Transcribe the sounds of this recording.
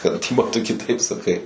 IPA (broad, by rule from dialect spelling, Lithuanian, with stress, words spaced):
kɐt ˈtʲɪpoː ˈtʊ kʲɪˈtɐɪp sɐˈkɐɪ